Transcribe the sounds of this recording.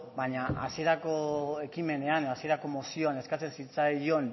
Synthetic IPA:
baɲaa̰sie̞ɾako̞e̞kime̞ne̞aneasie̞ɾako̞mosio̞ane̞skat͡se̞nsit͡sajo̞n

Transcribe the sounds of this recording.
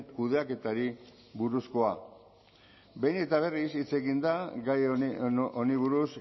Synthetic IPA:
kuðe̞ake̞t̪aɾi | βuɾusko̞a | be̞jne̞t̪aβ̞e̞risit͡se̞ɣind̪aɡaj | oniβuɾus

